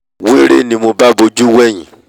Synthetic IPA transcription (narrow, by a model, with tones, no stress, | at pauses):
wĩ˦ɾe˦˨nĩ˧mo˧ba˦bo˧d͡ʒu˦wɛ˦˨j̃ĩ˨